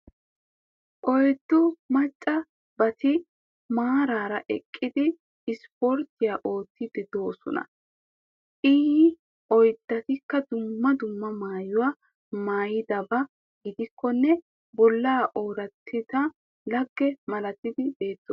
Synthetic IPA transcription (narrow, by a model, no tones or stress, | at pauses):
ʔɔjd̪ːʊmɐt͡ʃʼːɐ | bɐt̪ɪ | maːɾaːɾɐʔɛkʼːɪd̪ɪː | spɔɾt̪ɪjaʔo̞ːt̪ːɪd̪ɪd̪o̞ːsɔ̰nɐ̰ | ʔɪː | ʔɔjd̪ːɐt̪ɪkːɐd̪ʊmːɐd̪ʊmːɐmaːjʊwa | maːjɪd̪ɐbɐ | ɡɪd̪ɪkʰːɔnːɛ | bɔlːaːʔo̞ːɾɐt̪ʰːɪt̪ɐ | lɐɡːɛmɐlɐt̪ːɪd̪ɪbe̞ːt̪ːo